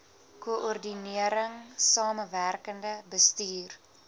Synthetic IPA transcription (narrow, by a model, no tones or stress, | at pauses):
kuʔɔrdiniəɾəŋsɑːməværkəndəbəstiːr